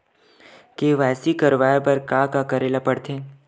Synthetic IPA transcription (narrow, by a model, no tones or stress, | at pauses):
keʋɛːsikəɾʋaːepɐɾkaːkakəɾeːlapəɽt̪ʰẽː